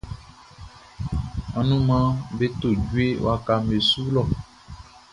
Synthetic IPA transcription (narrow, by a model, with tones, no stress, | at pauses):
a˨nũ˦mã˦be˦t̪o˦˨d͡ʒu˦e˦wo̰˦a˦ka˨me˨su˦lɔ˦˨